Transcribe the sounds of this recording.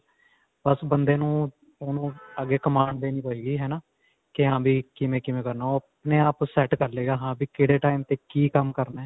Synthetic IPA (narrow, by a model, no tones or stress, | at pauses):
bəsbənd̪eːnũː | onũːəɡeːkəmaːɳɖd̪eːnĩːpəiːɡiːɦɛːnãː | kɪɦãːbʱiːkɪmẽːkɪmẽːkəɾnaːoːpneːaːpsɛːʈkəɾleːɡaːɦãːbiːkɪɽeːʈaːiːmt̪eːkiːkəmkəɾnaɛː